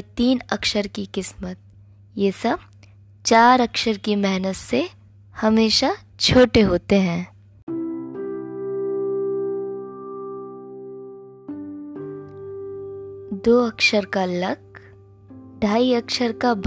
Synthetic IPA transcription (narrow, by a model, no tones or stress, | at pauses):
t̪iːnɐkʃəɾkikɪsmət̪̚ | jeːsɐb̚ | t͡ʃaːɾɐkʃəɾkimɛɦnət̪se | hɐmeːʃa | t͡ʃʰoːʈeɦoːt̪eɦɛ̃ː | d̪oːɐkʃəɾkalɐk̚ | ɖʱaːiɐkʃəɾkab